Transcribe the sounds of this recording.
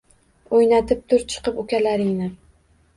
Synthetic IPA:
ojnat̪ʰɪp̚t̪ʰʊɾt͡ʃʰɨ̥qɨpʊkʲalaɾɪŋnɪ

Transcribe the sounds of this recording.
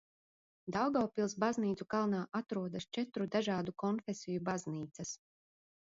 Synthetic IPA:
d̪awɡawpilˠsbazniːt̪sukalˠnaːʔat̪ɾuɔd̪ast͡ʃɛt̪ɾud̪aʒaːd̪ukɔnfesijubazniːt̪sɐs

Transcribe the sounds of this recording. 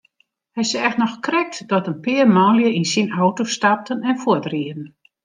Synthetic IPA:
hɛjsəɛxtnɔxkrɛk̚tdɔtənpɪərmɔljəinsinawtostap̚tənɛnfʊətriədən̩

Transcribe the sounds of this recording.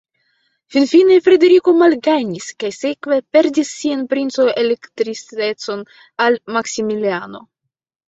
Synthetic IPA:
finfine̞fɾe̞d̪e̞ɾiko̞malɡaɲiskajse̞kve̞pe̞ɾdisːianpɾint͡so̞ele̞kt̪ɾit͡se̞t͡so̞n | almaksimiliano̞̰

